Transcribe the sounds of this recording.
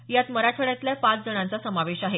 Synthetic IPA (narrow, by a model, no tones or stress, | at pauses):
jat̪məɾaʈʰəɭjat̪ljapãt͡sd͡zəɽ̃ãnt͡sasəmaʋeɕaɦe